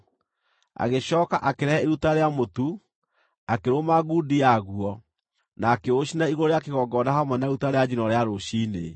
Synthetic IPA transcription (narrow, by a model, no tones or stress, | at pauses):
a̰ɣeɕɔːkaʔakeɾɛɛeɾutaɾeamotu | akeɾomaɣudiaɣuɔ | naːkeoɕinaiɣooɾeakeɣɔɡɔdaɦamwɛnaeɾutaɾead͡ʑinɔɾeaɾoɕiːnḛ